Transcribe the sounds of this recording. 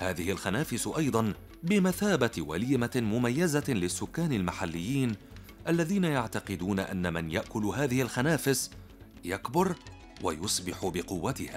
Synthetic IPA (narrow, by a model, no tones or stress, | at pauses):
haːðɪhɪlxanaːfɪsʔɑjd̪ˤɑn | bɪmaθaːbat̪wa̰liːmamʊmajːazalɪsːʊkːaːnɪlmaħalːɪjːiːn | ʔalːaðiːnajaʕt̪ɑqɪd̪uːnaʔa̰nːamanjaʔkʊlɦaːðɪhɪlxanaːfɪs | jakbʊɾ | wajʊsˤbɪħʊbɪqʊwːat̪ɪhaː